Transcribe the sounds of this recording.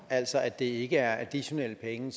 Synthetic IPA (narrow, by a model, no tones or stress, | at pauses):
æl̰sɒ̽ʔæd̥e̝e̝ɡ̥əæɐʔæd̥iɕo̝nel̰əpʰeŋəs